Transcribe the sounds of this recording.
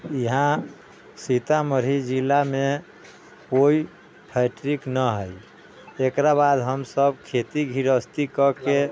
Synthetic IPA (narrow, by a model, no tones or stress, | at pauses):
iɦã | sit̪aməɾ̤id͡ʒilame | koi | pʰaɪʈɾiknəɦəj | ekɾabad̪ɦəmsəb̚kʰet̪iɡʱiɾəst̪ikəke